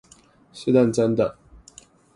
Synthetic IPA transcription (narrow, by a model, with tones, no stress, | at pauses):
ɕe˥˦d̪a˥˨nt͡sa˦nd̪a˨